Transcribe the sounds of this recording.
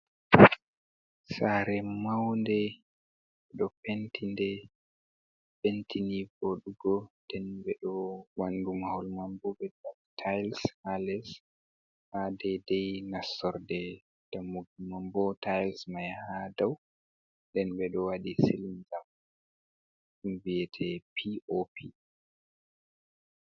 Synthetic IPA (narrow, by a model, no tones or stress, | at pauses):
saɾɛmawndɛ | ɓɛɗɔpentʰindɛ | pentʰinibɔɗuɡɔdɛnbɛɗɔwandumahɔlmambɔbɛdabtʰajlshalɛs | hadɛdɛjnasɔɾdɛ | d̥amːuɡumambɔtajlsmajhadaw | dɛnɓɛɗɔwaɗisilmzam | unvijɛtʰɛpʰiʔopʰi